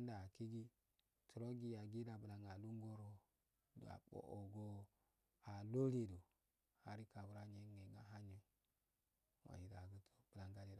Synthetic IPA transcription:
nda˨ki˦ɡi˦ | tu˨ɾo˦ɡi˨ja˨ɡi˦da˨bu˨la˨ŋa˨lu˦ŋɡo˦ɾo˨ | a̰˨ɓo̰˨ʔo˨ɡo˦ | a˨lo˦li˨do˨ | a˨ɾi˦ka˨bu˨ɾa˦ɲe˦ŋe˨ŋa˦ɦa˦ɲe˦ | wa̰˨ji˨da˨ɡu˦to̥˨b̥ə˨la˨ŋɡa˦li˦˨

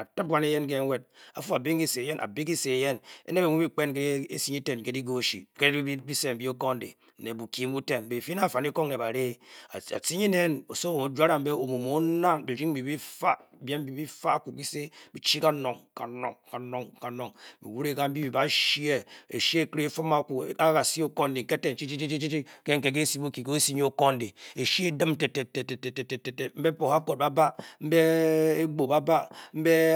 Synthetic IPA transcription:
a˨tɨ˦p̚wa˦ne˦je˦nk̬e˦we˦d̚a̰˨fu˦a˨be˦ŋ˦i˦se˨je˦nʔa̰˨bi˦k̬i˦se˨je˦nḛ˦ne˦be˨mu˦i˦k͡pe˦nk̬e˦e˦si˦ɲi˦te˨nke˦di˦ɡo˦˨ʃḭ˨ke˦i˦bi˦se˦m̩˨bi˦o˦ko˦n̩˦dḛ˨ | ne˨bu˨ki˨m˦u˦te˦˨n˨be˨fi˦na˦˨fa˨ni˦ko˦ŋne˨ba˨ɾe˦˨a̰˨si˦ɲi˦ne˦no˨so˦wo˨o˨d͡ʒʷa˦ɾa˨m̩˨˦be˦o˨mu˨mo˨˦na˦bi˨ɾi˦ŋ̩˦bi˨bi˦fa˦ | be˦m̩˦bi˨bi˦fa˦a˦˨ku˨p̚ki˦se˦bi˨t͡ʃi˦ka˦no˨ŋka˨no˨ŋka˨no˨ŋka˨no˨ŋmḭ˨wu˦ɾe˦ka˦m̩˦bi˦bi˨ba˨˦ʃi˦e˦ḛ˨ʃi˦e˦kɾe˦fo˦ma˦ku˨a˦ka˨si˦o˦ko˦n˦de˨ŋ̩˨ke˦te˦˨n̩˨t͡ʃi˦t͡ʃi˦t͡ʃi˦t͡ʃi˦t͡ʃi˦t͡ʃi˦ke˦ŋ̩˦ke˨ke˦si˦bo˦ki˨ke˦o˦si˦ɲ˦o˦ko˦n˦de˨e˨ʃi˦e˦də˦m˦te˨te˨te˨te˨te˨te˨te˨te˨te˨m̩˦be˦po˨ha˦ko˨ba˦ba˦m̩˦be˦e˦ɡ͡bo˨ba˦ba˦m̩˦be˦

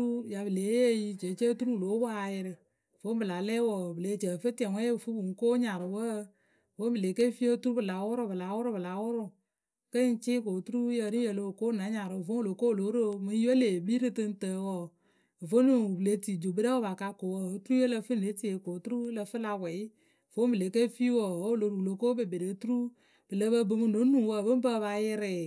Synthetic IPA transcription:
ɾu˦ja˨bɨ˨le˨˦e˦ji˧˨t͡ʃe˨˦t͡ʃe˦tu˦ɾu˦˨lo˨˦bɔ˦a˧jɪ˧ɾɨ˨ | vo˦mbɨ˨la˨lɛ˦wɔ˨bɨ˨le˨˦t͡ʃə˨fɨ˦tɛ˨wʷɛ˦˨fu˦bu˨ŋ̩˨˦ko˦ɲa˨ɾɨ˨wə˦˨ | wo˦bɨ˨le˨˦ke˦fi˦o˦tu˦ɾu˦bɨ˨la˨˦wʊ˦ɾʊ˦bɨ˨la˨˦wʊ˦ɾʊ˦bɨ˨la˨˦wʊ˦ɾʊ˦˨ | kə˦n˦t͡ʃɪ˦ko˨tu˦ɾu˦jə˨ɾi˦je˨lo˦˨ko˦na˨˦ɲa˨ɾɨ˨vo˦o˦lo˨ko˦˨lo˨˦ɾo˦mɨ˦jo˦le˨bi˦ɾɨ˦tɨ˧n˦tə˨wɔ˨ | vo˦nu˨ble˦ti˨d͡ʒo˨bɨ˦ɾɛ˦wo˦ba˨ka˧ko˨wə˦o˨˦tu˦ɾu˦je˦lə˧fɨ˦˨e˨˦ti˦e˨ko˨tu˦ɾu˦lə˧fɨ˦la˧wɛ˨˦˨ | vo˨˦m˦bɨ˨le˨˦ke˦fi˦wɔ˨wo˦lo˨ɾu˨u˨lo˨ko˦bɨ˨be˨ɾe˨˦tu˦ɾu˦ | b̥ɨ˨lə˦bə˦bɨ˧mɨ˦no˨˦nu˨wə˦˨bə˦m˦bə˦βa˧jɪ˦ɾɪ˨

